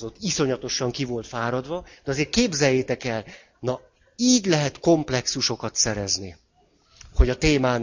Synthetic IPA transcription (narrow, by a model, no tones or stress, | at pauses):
o̞t̪ːiso̞ɲɒt̪o̞ʃɒŋkivo̞lt̪faːɾɒd̪ʋɒd̪ɛɒzeːrt̪̚keːbzɛjːeːt̪ɛkɛl | nɒ | iːɟlɛɦɛt̪ko̞mplɛksuʃo̞kɒt̪sɛɾɛzni | ho̞ɟɒt̪eːmaːn